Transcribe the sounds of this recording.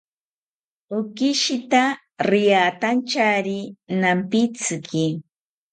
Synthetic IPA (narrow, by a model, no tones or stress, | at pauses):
ʊkiʃit̪a | ɾɪjat̪ant͡ʃaɾinampit͡sɨki